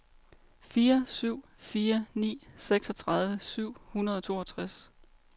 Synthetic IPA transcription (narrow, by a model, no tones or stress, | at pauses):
fiːɐsyʊ̰ | fiːɐnḭːseɡ̥sɒ̽t͡sʰʁɑ̈ðˠʋəsyʊ̰hunɐð̞ˠɒ̽t͡sʰo̝̰ːɒ̽t͡sʰʁas